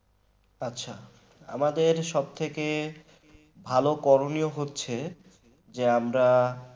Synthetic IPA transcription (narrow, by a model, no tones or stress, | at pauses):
atːɕʰa | a̰mad̪eɾʃɔb̚t̪ʰeke | bʱalokɔɾonioɦotːɕʰe | d͡ʑeamɾa